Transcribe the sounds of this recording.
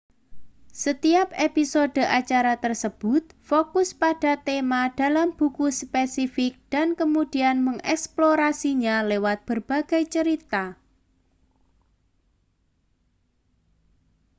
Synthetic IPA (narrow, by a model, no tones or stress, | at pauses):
sət̪iapepisod̥ə̤ʔat͡ʃaɾat̪ərsəb̥ʊt̪̚fokʊspad̥a̤t̪emad̥a̤lamb̥ukuspesifɪk̚d̥ankəmud̥ianməŋɛ̰ksploɾasiɲalewat̪̚b̥ərb̥a̤ɡ̥a̤jt͡ʃəɾit̪a